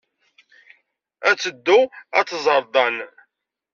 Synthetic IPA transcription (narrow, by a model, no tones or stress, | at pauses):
æt͡sːəd̪ːʊæ̰t͡s̪ːzˤəɾˤd̪ˤɑn